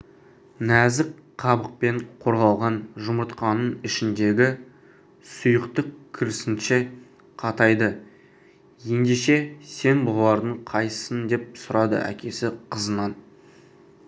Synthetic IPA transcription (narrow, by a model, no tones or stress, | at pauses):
næzɪkqʰɑbəq̚pe̞ɴqʰo̞ɾʁɑlˠʁɑnʒʊməɾt̪qɑnənɪʃɪnd̪e̞ɡʲɪ | sʊjəqt̪əqkʲʰɪɾɪsɪnʃɪ | qʰɑt̪ɑjd̪ə | je̞nd̪eʃe̞se̞nbolˠɑɾd̪əɴqʰɑjə̥sənd̪e̞p̚sʊɾɑd̪ə̰ʔæ̰kʲe̞sɪqʰəzənɑn